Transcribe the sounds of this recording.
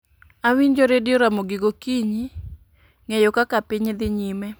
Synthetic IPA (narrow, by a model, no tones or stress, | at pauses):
awiɲd͡ʒoɾedɪoɾamoɡɪɡokiɲi | ŋejokakapiɲd̪ɪɲimɛ